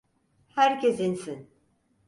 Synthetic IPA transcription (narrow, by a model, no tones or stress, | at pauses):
hæɾcʰesinsin